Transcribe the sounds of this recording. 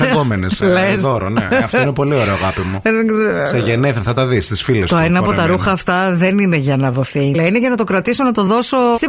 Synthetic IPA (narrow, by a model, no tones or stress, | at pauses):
ɣomeneslesoɾonḛɐft̪oinpo̞lioɾeoɐɣɐpimuðeɡzeɾoseʝeneθθɐt̪ɐðist̪isfilest̪oenɐːpot̪ɐɾuxɐːft̪ɐðe̞nineʝɐnɐðo̞θilɐineʝɐnɐt̪o̞kɾɐt̪isonɐt̪o̞ðo̞so̞st̪i